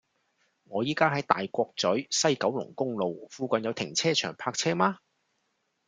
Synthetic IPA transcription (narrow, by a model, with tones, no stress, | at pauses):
ŋɔː˨˧jiː˥kaː˥ɦɐ˨˥jt̪a̰ː˨jkʷɔː˧k̚t͡sɵ˨˥ɥsɐ˥jkɐ˨˥wlʊ̰˨˩ŋkʊ˥ŋlo˨wfuː˧kɐ˨njɐ˨˧wt̪ʰɪ˨˩ŋt͡sʰɛː˥t͡ʃʰœ̰ː˨˩ŋpʰaː˧k̚t͡sʰɛː˥maː˥